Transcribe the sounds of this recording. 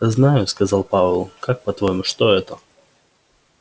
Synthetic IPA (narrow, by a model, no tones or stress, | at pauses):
znajʊskɐzalˠpavəlˠkak̚pɐt̪vojmʊʂt̪oɛt̪ə